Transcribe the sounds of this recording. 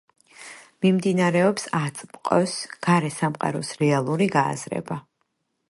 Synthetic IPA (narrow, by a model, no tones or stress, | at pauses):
mimd̪inaɾɛɔpsat̪sʼmqʼɔsɡ̥aɾɛsamqʼa̰ɾɔsɾɛalˠuɾiɡa̰ːzɾɛ̰ba